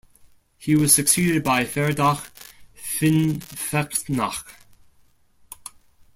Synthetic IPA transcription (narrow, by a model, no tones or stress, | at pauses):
hiːwɔz̥səksiːdɪd̚bajfɛɹdaxfɪnfɛktnax